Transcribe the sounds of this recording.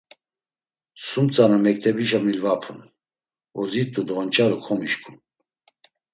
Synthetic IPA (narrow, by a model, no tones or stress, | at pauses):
sumt͡sʼanamɛk̚t̪ʰɛbiʃamilvapʰun | ɔzit̪ʼud̪ɔnt͡ʃʼaɾukʰɔmiʃkʰun